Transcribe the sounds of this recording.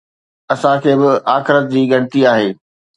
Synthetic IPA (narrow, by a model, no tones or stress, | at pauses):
ɐsãkʰeːbɪaːxɪɾət̪̚d͡ʑiːɡɐɽ̃ɪt̪iaːɦeː